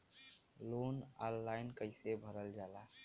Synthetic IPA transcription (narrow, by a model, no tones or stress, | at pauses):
loːnaːlːaːɪnkəɪsebʱəɾəld͡ʒaːlaː